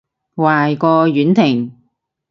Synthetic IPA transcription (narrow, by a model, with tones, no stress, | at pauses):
waː˨jkɔː˧ɥyː˨˥nt̪ʰɪ˨˩ŋ